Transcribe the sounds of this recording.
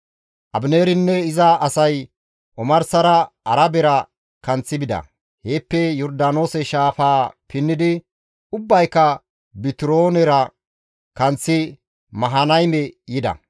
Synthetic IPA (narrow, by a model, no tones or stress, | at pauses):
ʔɐbneːɾɪnːɛɪzɐɐsɐj | ʔɔmɐɾsɐɾɐ | ɐɾɐbɛɾɐ | kɐnt͡sːɪbɪd̪ɐ̰ | heːpːɛjɔɾd̪aːno̞ːsɛʃaːfaːpɪnːɪd̪ɪ | ʊbːɐjkːɐ | bɪt̪ɪɾo̞ːnɛɾɐ | kɐnt͡sːɪ | mɐɦɐnɐjmɛjɪd̪ɐ̰